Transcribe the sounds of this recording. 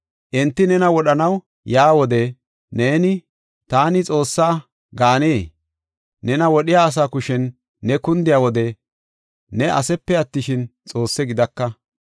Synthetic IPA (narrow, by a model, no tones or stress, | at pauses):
ʔɛnt̪ːɪnɛnɐwɔɗɐnɐw | jaːwɔd̪ɛ | neːnɪ | t̪aːnɪt͡sʼo̞ːsːaː | ɡaːneː | nɛnɐwɔɗɪjaːs̬aːkʊʃɛnː | ɛkʊnd̪ɪjawɔd̪ɛ | nɛʔɐ̰sɛpːɛɐt̪ːɪʃɪnt͡sʼo̞ːsːɛɡɪd̪ɐkːɐ